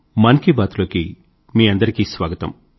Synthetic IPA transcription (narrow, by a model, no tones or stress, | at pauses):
mɐnkibaːt̪loːki | miːɐnd̪ɐɾikiːsʋaːɡɐt̪ɐ̰m